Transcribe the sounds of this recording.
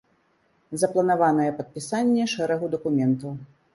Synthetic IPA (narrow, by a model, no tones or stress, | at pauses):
zɐplˠɐnavanɐjɛpɐt̪̚pʲisanʲːɛʂɛɾɐɣud̪ɐkumʲɛnt̪ɐw